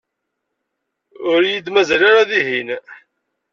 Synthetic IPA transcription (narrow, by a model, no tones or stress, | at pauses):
ʊɾjid̪mæzælaɾaðiɦin